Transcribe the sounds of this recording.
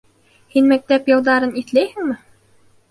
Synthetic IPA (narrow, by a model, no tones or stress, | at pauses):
hinmæk̚t̪æpjɤ̆lˠd̪ɑɾɤniθlæjhɘ̆ŋmɘ